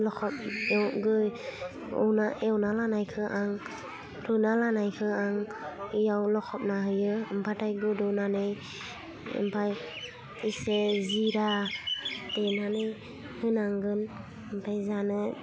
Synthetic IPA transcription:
lɔkʰɔp̚ɡɯ | ɔ̰wnaʔewnalanajkʰɯʔaŋ | ɾɯnalanajkʰɯaŋijawlɔkʰɔp̚naɦɯjɯɯmpʰatajɡɯdɔnanɯj | ɯ̰mpʰaj | iseziɾa | denanɯj | hɯnaŋɡɯn | ɯmpʰajzanɯ

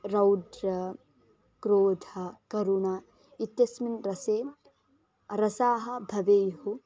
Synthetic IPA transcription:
ɾɐwɖɾɐ | kɾoːd̪ʱɐkɐɾunaː | it̪jɐsminɾɐseː | ɾɐsaːɦɐbʱɐʋeːjɦu

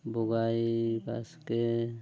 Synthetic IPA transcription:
boɡajba̰ske

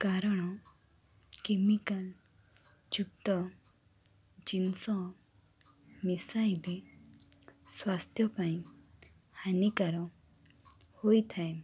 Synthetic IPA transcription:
kaɾɔɽ̃ɔ | kemikal | d͡ʒukt̪ɔ | d͡ʒinsɔ | misajle | swast̪ʰjɔpaĩ | hanikaɾɔ | hojt̪ʰae

